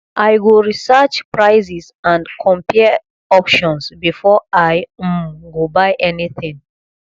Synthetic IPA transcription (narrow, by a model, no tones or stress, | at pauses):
ʔajɡoɹisɜt͡ʃpɹaɪzis | ãndkʰɔ̃mpʰi | ɔpʃɔ̃nsbifɔaɪɡobaɪʔɛniθɪ̃ŋ